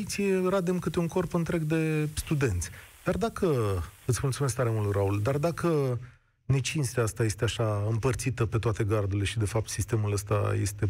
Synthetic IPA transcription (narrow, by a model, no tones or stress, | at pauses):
it̪sʲierad̪emkɨt̪euŋko̞rpɨnt̪ɾe̞ɡd̪e̞st̪ud̪e̞nt̪sʲd̪̥ard̪akʰəɨt̪sʲmult̪sumesk̚t̪aɾe̞mult̪ɾauld̪ard̪akə | ne̞t͡ʃinst̪east̪aje̞st̪eaʃaɨmpərt̪sit̪əpe̞t̪oat̪e̞ɡard̪ule̞ʃid̪e̞fap̚t̪sist̪e̞muləst̪a̰je̞̰st̪e̞